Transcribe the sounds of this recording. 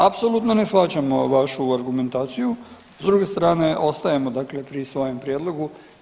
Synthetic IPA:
apsolut̪nonesfat͡ɕamoʋaʃuaɾɡume̞nt̪aːt̪siju | zd̪ɾuːɡe̞st̪ɾaːne̞ʔo̞st̪ajemo̞d̪akle̞pɾisʋo̞jempɾijed̪lˠo̞ɡu

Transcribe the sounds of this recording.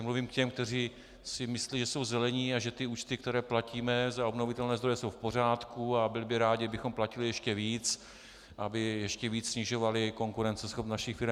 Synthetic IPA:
mluviːmkcɛmk̚t̪ɛriː | sɪmɪsliʒɛso̞wzɛlɛɲiːaʒɛt̪ɪuːt͡ʃt̪ɪkt̪ɛɾɛːplaciːmɛzao̞bnovɪt̪ɛlnɛːzd̪ɾojɛso̞wfpo̞r̝aːt̪kuabɪlɪbɪɾaːɟɪabɪxo̞mplacɪlɪjɛʃcɛviːt͡s | ʔabɪjɛʃcɛviːt͡ssɲɪʒo̞valɪko̞ŋkuɾɛnt͡sɛsxopnaʃɪxfɪɾɛm

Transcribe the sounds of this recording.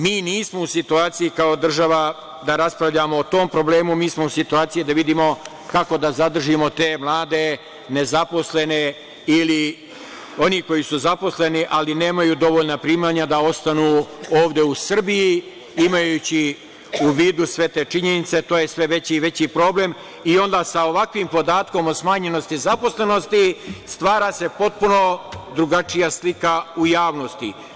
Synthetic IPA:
miːniːsmousit̪uaːt̪sijikao̞d̪r̩ʒaʋa | d̪aɾaspɾaʋʎamoːt̪o̞ːmpɾo̞ble̞ːmumiːsmousit̪uaːt̪sijid̪aʋid̪iːmo̞ | kako̞d̪azad̪r̩ʒimo̞t̪e̞ːmlˠaːd̪e̞ | ne̞zapo̞sle̞ne̞ | ili | o̞niko̞jisuzapo̞sle̞niʔaline̞ːmajuːd̪o̞ʋoʎnapɾiːmaːɲad̪ao̞st̪anuːo̞ːʋd̪e̞usr̩biji | imajut͡ɕi | uʋiːd̪usʋe̞t̪eːt͡ʂiɲe̞nit̪se̞t̪oːje̞sʋe̞ʋe̞t͡ɕiʋe̞t͡ɕipɾo̞ːble̞m | io̞nd̪aːsaoʋakʋimpo̞d̪aːt̪ko̞mosmaːɲe̞no̞st̪izapo̞sle̞no̞st̪ist̪ʋaːɾase̞po̞t̪̚puno̞d̪ɾuɡat͡ʂijaslikaujaːʋno̞st̪i

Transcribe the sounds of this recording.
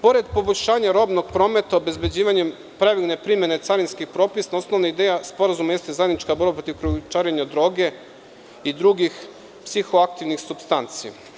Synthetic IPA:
po̞ɾe̞d̪po̞boʎʲʃaːɲaɾo̞bno̞ɡ̚pɾo̞ːme̞t̪aobe̞zbe̞d͡ʑiːʋaɲem | pɾeʋiɡne̞pɾimje̞net̪saɾinskixpɾo̞ːpisnaosno̞ʋnaid̪ejaspo̞ɾazumaje̞st̪e̞zajed̪nit͡ʃkabo̞ɾbapɾo̞t̪iʋkɾut͡ʃaːɾeɲad̪ɾo̞ːɡe̞ | id̪ɾuɡix | psixo̞ak̚t̪iʋnixsupst̪ant̪sija̰

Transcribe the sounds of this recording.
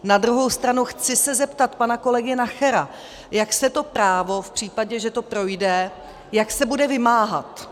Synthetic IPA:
nad̪ɾuɦo̞wst̪ɾanuxt͡sɪsɛzɛpt̪at̪panako̞lɛɡɪnaxɛɾa | jaksɛt̪o̞pɾaːvo̞fpr̥iːpaɟɛʒɛt̪o̞pɾo̞jdɛ | jaksɛbudɛvɪmaːɦat̪

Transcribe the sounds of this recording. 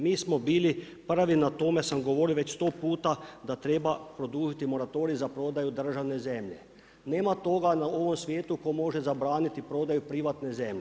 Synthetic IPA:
miːsmobiːli | pr̩ʋinat̪o̞mesamɡo̞ʋo̞ɾioʋet͡ɕst̪o̞ːpuːt̪ad̪at̪ɾebapɾo̞d̪uːʒit̪imo̞ɾat̪o̞ːɾizapɾo̞ːd̪ajud̪r̩ʒaʋnezemʎḛ | neːmat̪o̞ɡanao̞ʋomsʋjeːt̪ukomo̞ʒezabɾaːnit̪ipɾo̞ːd̪ajupɾiʋat̪nezemʎe

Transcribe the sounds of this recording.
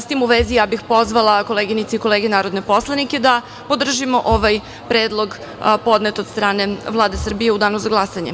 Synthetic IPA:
st̪imuʋezijaːbixpo̞zʋalˠako̞leːɡinit̪seiko̞lˠeːɡe̞naːɾo̞d̪ne̞po̞slˠanike̞d̪a | pod̪r̩ʒimo̞ʔoʋaj | pɾeːd̪lˠo̞ɡ | po̞d̪ne̞t̪ost̪ɾaːne̞ʋlˠaːd̪e̞sr̩bije̞ud̪aːnozaɡlˠasaɲe̞̰

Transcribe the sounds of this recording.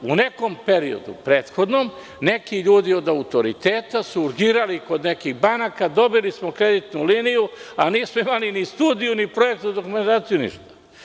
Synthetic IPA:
une̞ko̞mpe̞ɾio̞̰d̪ṵpɾeːt̪xo̞d̪nom | ne̞kiʎuːd̪io̞d̪aut̪o̞ɾit̪e̞ːt̪asuːɾɡiːɾaliko̞d̪ne̞kiɣbanakad̪o̞bilismo̞kɾe̞d̪it̪nuliːnijuaniːsmoimalinist̪uːd̪ijunipɾo̞je̞k̚t̪ud̪o̞kume̞nt̪aːt̪sijunḭʃt̪ḁ

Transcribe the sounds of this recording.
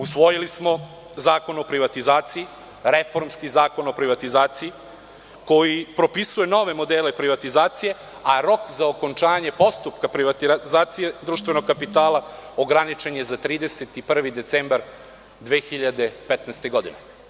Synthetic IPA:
usʋo̞jilismo̞ | zaːko̞nopɾiʋat̪izaːt̪sii | ɾefo̞ɾmskizaːko̞no̞pɾiʋat̪izaːt̪sii | ko̞jipɾo̞pisujeno̞ʋe̞mo̞d̪elepɾiʋat̪izaːt̪sije̞ | aɾo̞kzaoko̞nt͡ʃaːɲe̞po̞st̪upkapɾiʋat̪iazaːt̪sije̞d̪ɾuːʃt̪ʋe̞no̞ɡ̚kːapit̪aːlˠaoɡɾanit͡ʃe̞ɲezat̪ɾiːd̪e̞set̪ipr̩ʋid̪e̞t̪seːmbaɾ | d̪ʋeːxiʎad̪e̞pet̪nɛːst̪e̞ɡo̞d̪ine

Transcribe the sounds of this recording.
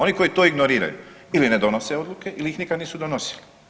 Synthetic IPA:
o̞niko̞jit̪oːiɡnoɾiːɾa̰jṵ | ilined̪o̞noseo̞d̪lˠuke̞ʔiliixnikad̪niːsud̪ono̞si̥li

